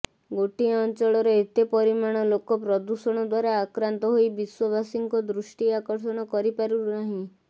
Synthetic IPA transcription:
ɡoʈiɔnt͡ʃɔɭɔɾɔet̪epɔɾimaɽ̃ɔlokɔpɾɔd̪usɔɽ̃ɔd̪waɾaːkɾant̪ɔɦojbiswɔbʱasiŋkɔd̪ɾusʈiakɔɾsɔɽ̃ɔkɔɾipaɾunaɦĩ

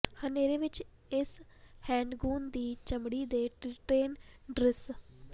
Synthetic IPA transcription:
həneːɾeːʋɪt͡ʃ | ɪshɛ̃ːɳɖɡuːnd̪iːt͡ʃəmɽiːd̪eːʈʈeːnɖɾɪs

